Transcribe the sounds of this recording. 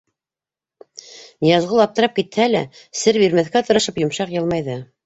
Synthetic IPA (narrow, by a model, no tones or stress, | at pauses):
nijɑzʁɤlˠɑp̚t̪ɤ̆ɾɑp̚kit̪hælæsɘɾbiɾmæθkæt̪ɤ̆ɾɤ̆ʃɤpjŏmʃɑqjɤ̆lˠmɑjðɤ